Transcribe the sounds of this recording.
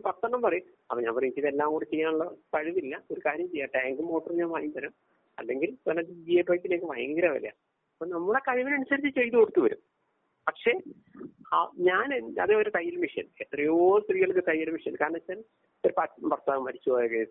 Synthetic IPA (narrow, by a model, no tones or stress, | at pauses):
pɐt̪ːɐɳːɐmpɐrɐjum | ɐpoɲa̰ːmpɐrɐiɲit͡ɕːiðelːaːkoɽet͡ɕːejːaːɳuɭːɐt̪ɐɻiʋilːɐo̞ɾukaːɾjɐmt͡ɕejːaːʈaːŋɡɨmo̞ːʈːɐrɨɲaːnpɐɐɲiːt̪ɐnɐm | ɐ̰lːe̞ŋɡilt̪ɐnːɐd̪id͡ʑieːpːoːjikːineːkːɨʋɐjɐŋɡɐɾaːʋɐ̰lːḛja̰ | ɐpːoːnɐmːuɽekɐʋiʋɐnɐnusɐɾit͡ɕːɨt͡ɕːt͡ɕe̞jt̪ːukoɽut̪ːuʋɐɾṵm | pɐkʂe̞ː | aɲaːnɐ̰ðɨoɾut̪ɐjːɐlmiʂɐ̰net̪rɐjoːst̪riːɣɐɭkːɨt̪ɐjɐlmiʂɐnkaːɾɐɳɐan | t̪ːɐɾpɐprɐst̪ːaːʋɐmːɐɾit͡ɕːuʋaːjokːɐ